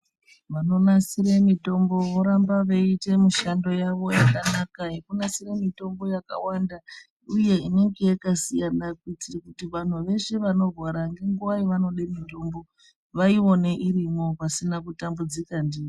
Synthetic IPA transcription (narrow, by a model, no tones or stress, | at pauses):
ʋano̞nasiɾemito̞mbo̞ʋoɾambaʋeite̞miʃando̞jaʋo̞jakanakaekunasiremito̞mbo̞jaka̰wanda | uje̞ine̞ŋɡe̞jekasijanakwitikutiʋan̤uʋe̞ʂe̞ʋano̞rwaɾaŋɡe̞ŋɡuʋaiʋano̞ɗeminto̞mbo̞ | ʋaio̞ne̞ʔiɾimo̞pasinakutambud͡zikandiːi